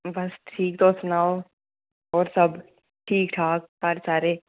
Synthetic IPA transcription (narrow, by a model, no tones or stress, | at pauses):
bɐsʈʰiːk̚t̪oːsnaːo | ɔːɾsɐb | ʈʰiːkʈʰaːk̚hɐɾsaːɾeː